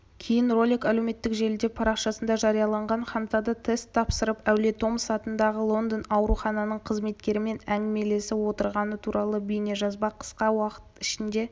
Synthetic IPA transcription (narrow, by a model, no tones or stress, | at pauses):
kʲʰe̞jɪnro̞lʲikæle̞wme̞t̪ːɪkʒe̞ld̪e̞pʰɑɾɑqʃɑsənd̪ɑʒɑɾijɑlˠɑɴʁɑnχɑnt̪ɑd̪ət̪ʰest̪ʰːɑpsəɾəpæwle̞t̪o̞msɑt̪ənd̪ɑʁəlˠo̞nd̪ənɑwɾuχɑnɑnəɴqʰəzme̞t̪kʲe̞ɾɪme̞næŋʲɪme̞le̞sɪwo̞t̪əɾʁɑnət̪ʰuɾʔɑlˠəbijneʒɑzbɑqʰə̥sqɑwɑqə̥t̪ɪʃɪnd̪e̞